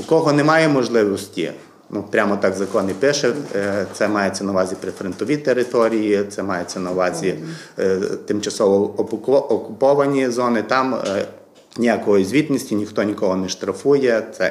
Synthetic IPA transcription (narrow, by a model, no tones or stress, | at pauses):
ʊkɔɦɔnɛmɑjɛmɔʒlˠɪʋɔsʲtʲḭ | nupɾʲamɔt̪ɑkzɐkɔnɪpɪʃɛt̪sɛmɑjɛt͡sʲːɐnɐʋɑzʲipɾɪfɾent̪ɔʋʲit̪eɾɪt̪ɔɾʲijit̪sɛmɑjet͡sʲːɐnɐʋɑzʲi | t̪ɪmt͡ʃɐsɔʋɔɔɔkʊpɔʋɐnʲizɔnɪt̪ɑm | nʲijakɔjizʲʋʲit̪ʲnʲisʲtʲinʲixt̪ɔnʲikɔɦɔnɛʃt̪ɾɐfujɛt̪sɛ